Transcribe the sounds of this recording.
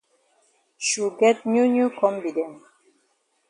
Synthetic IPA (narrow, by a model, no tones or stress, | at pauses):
ʃuɡɛt̚njunjukʰɔ̃mbidɛ̃n